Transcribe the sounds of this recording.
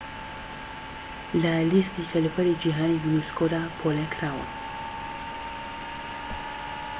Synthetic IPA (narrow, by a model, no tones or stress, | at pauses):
lalist̪ikʰalupʰɐɾid͡ʒiɦaːnijuniskod̪apʰolekɾaːwɐ̰